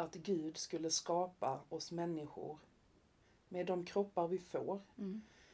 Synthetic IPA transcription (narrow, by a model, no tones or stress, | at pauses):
at̪ɡʉ̟ːd̪skɵlːəskɑːpaɔsmɛnːɪɧʊ̰ɾ | meːd̪ːɔmkʰɾɔpːaɾvɪfoːɾ